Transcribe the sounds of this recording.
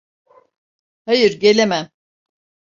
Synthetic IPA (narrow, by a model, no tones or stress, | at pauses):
hajɯɾɟelʲemæm